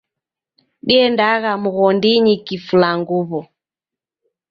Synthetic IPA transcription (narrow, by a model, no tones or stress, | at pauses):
ɗiɛndaɣamuɣɔndiɲikifulaŋɡuβɔ